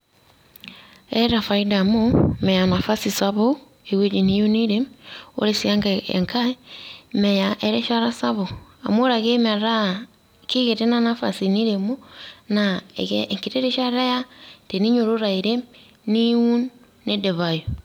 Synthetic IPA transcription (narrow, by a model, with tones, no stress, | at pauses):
ɛ˦ɾa˨faida˨momɛ˨ja˨na˨fa˦si˨saβo˦ | e˨ɣe˦d͡ʒi˨ni˦jo˦ni˦ɾeo̰˦ɾe˦sia˦ŋɡaḛŋka˦emɛ˨ja˨ʔeɾe˦ʃa˦ɾa˦sa˦βo˨a̰˨mo˦ɾa˨ɣe˦me˨ɾa˦ | ki˦ɣeɾe˦na˦na˦fa̰sini˦ɾe˨mo˦naḛ˨ɣeŋki˨ɾe˦ɾe˦ʃa˦ɾa˦ja˦te˨ni˦ɲo˨ɾo˦ɾa˨iɾe˦ | ni˦u˦nː | e˦de˨βa˨jo